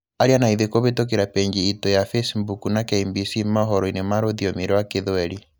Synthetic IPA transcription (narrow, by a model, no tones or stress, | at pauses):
aɾianaiðekoβetok̬eɾapɛɲd͡ʒiitɔjafɛsmbukunakɛimbisimaɦɔɾɔinemaɾoðiɔmeɾɔwakeðwɛɾi